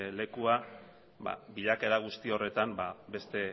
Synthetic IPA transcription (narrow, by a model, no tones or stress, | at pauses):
le̞kua | ba̰biʎake̞ɾaɣ̞ust̪io̞re̞t̪ambabe̞st̪e̞